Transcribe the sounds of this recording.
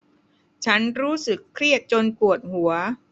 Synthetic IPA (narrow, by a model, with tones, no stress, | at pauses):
t͡ɕʰa˦˥nɾuː˦˥sɯ˨˩kʰːɾi˥˩ət̪̚t͡ɕo˧npu˨˩ət̪̚hu˩˦ɐ